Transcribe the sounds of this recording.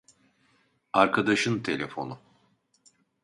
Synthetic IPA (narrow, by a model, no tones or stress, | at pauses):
aɾkʰad̪aʃɯnt̪ʰe̞lʲe̞fo̞̰nu